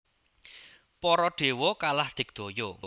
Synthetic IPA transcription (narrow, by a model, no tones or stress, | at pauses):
pɔɾɔɖ̪̥e̤wɔkalahd̪̥ɪ̤k̚d̪̥o̤jɔ